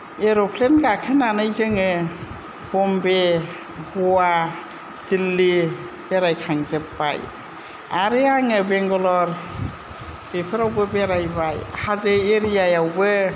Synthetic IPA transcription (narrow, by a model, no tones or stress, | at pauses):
eɾopʰlenɡakʰɯnanɯjzɯŋɯ | bɔmbe | bɔwa | d̥ilːi | b̥eɾajkʰaŋzɯpːa̰j | aɾɯaŋɯbeŋɡɔlɔɾ | b̥epʰɯɾawbɯbeɾajbajhazɯeɾijajawbɯ